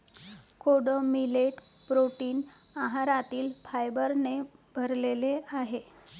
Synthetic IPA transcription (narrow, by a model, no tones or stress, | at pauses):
kʰoɽəmileʈ | pɾoʈiːn | aɦaɾat̪iːlfajbəɾnebʱəɾleleaɦe